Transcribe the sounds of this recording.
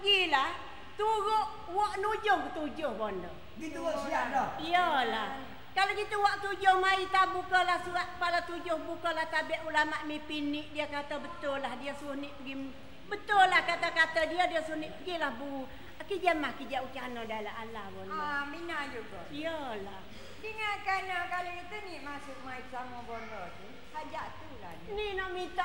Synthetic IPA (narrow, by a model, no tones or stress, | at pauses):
pəɡilah | t̪uɾʊʔ | wɔʔnud͡ʒʊŋkət̪ud͡ʒʊhbɔndɔ | ɡit̪uosiaʔdɔiəlah | kalokit̪əwaʔkt̪ud͡ʒʊhmait̪abukəlahsuɾat̪̚kəpalat̪ud͡ʒʊhbukəlaht̪abiaʔulamaʔmipinɪʔdiəkat̪əbət̪ʊlahdiəsuʊhnɪʔpəɡi | bət̪ʊlahkak̪akat̪ədiədiəsuʊniʔpəɡilahbu | akid͡ʒəmahkid͡ʒaʔukianɔdajlaɦalahbɔndɔminad͡ʒuɡɔ̰jjəlah | diŋakanakalokit̪əniʔmasʊk̚mait̪̚samɔbɔnd̪ɔt̪u | sad͡ʒaʔt̪ula̰hnininɔʔmint̪aʔ